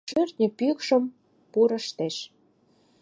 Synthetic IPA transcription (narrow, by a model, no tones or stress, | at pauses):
ʃørt̪nʲə̆pykʃə̆m | puɾə̆ʃt̪eʃ